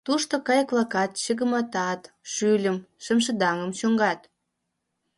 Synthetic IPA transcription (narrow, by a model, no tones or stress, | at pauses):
t̪uʃt̪okɑjklˠɑkɑt̪ɕəɣə̆mɑt̪ɑt̪ | ʃylʲəmʃə̆mʃ̬ə̆d̪ɑŋə̆mɕoŋɡɑt̪